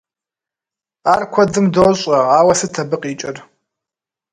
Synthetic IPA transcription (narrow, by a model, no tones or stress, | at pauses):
aːrkʷʰɔd͡zɨmdoɕʼɐaːwɐsɨtʰɐbɨqʼiːt͡ʃʼɪr